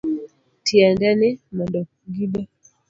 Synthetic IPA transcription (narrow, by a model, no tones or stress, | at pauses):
tʰiɛndɛnɛmɔndɔ | ɡiɓɛ